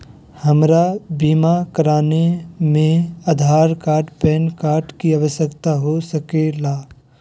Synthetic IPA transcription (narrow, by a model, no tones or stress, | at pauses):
hɐmɾabiːmakəɾaːnemẽaːd̪ʱaːɾkaːɾʈpɛːnkaːɾʈkiaʋəʃjəkt̪aɦosəkelaː